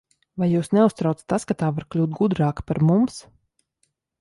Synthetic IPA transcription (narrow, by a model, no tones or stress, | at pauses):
vajjuːsnɛust̪ɾaw̪st̪askat̪aːvaɾklʲuːt̪̚ɡud̪ɾaːkpaɾmums